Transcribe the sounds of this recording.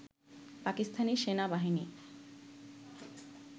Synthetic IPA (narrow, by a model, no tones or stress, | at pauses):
pakist̪ʰaniʃenabaɦini